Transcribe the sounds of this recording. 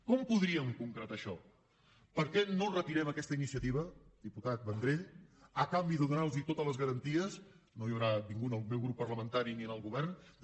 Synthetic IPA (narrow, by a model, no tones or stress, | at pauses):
kɔmpuðɾiəmkuŋkɾət̪aʃɔ | pəɾkɛnorət̪iɾɛməkɛst̪əinisiət̪iβ̞əd̪iput̪at̪̚βənd̪ɾeəkambiðəðunalzit̪ot̪ələzɣəɾənt̪iəs | noiəwɾabiŋɡuəlˠmewɣɾupːərləmənt̪aɾiniənəlˠɣuβɛrn